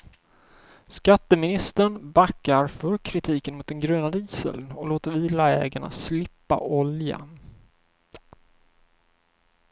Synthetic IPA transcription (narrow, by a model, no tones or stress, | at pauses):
skat̪ːəmɪnɪst̪əɳbakːaɾfœɾkʰɾɪt̪ʰiːkənmʊt̪̚d̪ɛnɡɾøːnad̪əiːsə̰lnɔloːt̪əɾviːlaɛ̰ːɡaɳa̰slɪpːa̰ʔɔlja̰n